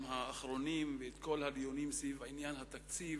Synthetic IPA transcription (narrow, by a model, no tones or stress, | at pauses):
mhaːχɾo̞nimveet̪ko̞lhadijonimsivainjanhat̪akt͡siv